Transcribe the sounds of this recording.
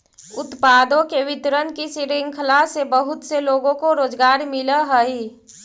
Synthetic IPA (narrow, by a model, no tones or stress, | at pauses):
ʊt̪paːd̪õkeʋɪt̪ɾənkisiɾɪŋɡkʰəlasebəɦʊt̪seloːɡõkoɾoːd͡ʒɡaːɾmɪləɦəi